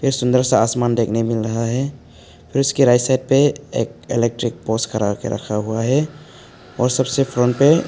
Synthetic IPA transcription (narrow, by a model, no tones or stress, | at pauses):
pʰɪɾsʊnd̪əɾsaasmandekʰnemɪlɾɐɦaɦɛ | pʰɪɾʊskiɾajsajd̚peḛk̚elek̚ʈɾik̚poskəɾakḛɾʔə̰kʰaɦuaɦɛ | ɔɾsəbsepʰɾɔnʈpe